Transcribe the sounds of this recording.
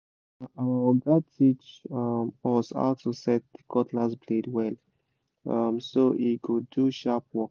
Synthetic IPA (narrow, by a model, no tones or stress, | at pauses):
aɡatʰit͡ʃmɔsɔ̰ltosɛt̚dikʰɔtʰlaspʰledwɛl | ʌmsoʔiɡuduʃap̚wɔk